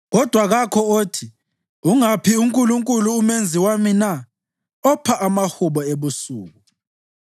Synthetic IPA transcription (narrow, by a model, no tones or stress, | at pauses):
ɣɔd̥ʱwaɣakʰɔoːtʰi | uŋapʰiuŋkʼuluŋkʼuluːmend͡zʱiwamina | ɔpʰaʔamahuβɔeβusṵːɣu